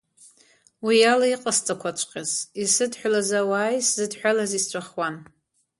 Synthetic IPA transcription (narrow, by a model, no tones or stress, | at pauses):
wijalaiqʼast͡sʼakʷʰat͡ʃʷʰʼqʲʼazisɨdħʷᶣlazawaːjszɨdħʷᶣalazist͡ʃʷʰʼaχwan